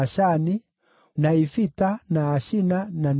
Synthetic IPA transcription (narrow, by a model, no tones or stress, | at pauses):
aʃani | naifitanaːʃinanan